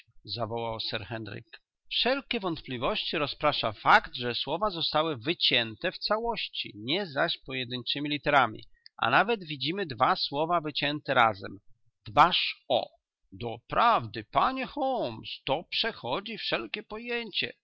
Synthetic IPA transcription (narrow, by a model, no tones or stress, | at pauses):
zavɔwawsɛɾxɛnɾḭk | fʂɛlkʲɛvɔnt̪plʲivɔɕt͡ɕiɾɔspɾaʂafakd̪ʐɛswɔvazɔst̪awɘvɘt͡ɕɛnt̪ɛft̪sawɔɕt͡ɕḭɲɛzaɕpɔjɛd̪ɘɲt͡ʂɘmʲilʲit̪ɛɾamʲḭʔa̰navɛd̪vʲid͡ʑimɘd̪vaswɔvavɘt͡ɕɛnt̪ɛɾazɛ̰m | d̪baʂɔ̰ | d̪ɔpɾavd̪ɘpaɲɛxɔmst̪ɔpʂɛxɔd͡ʑifʂɛlkʲɛpɔjeɲt͡ɕɛ̰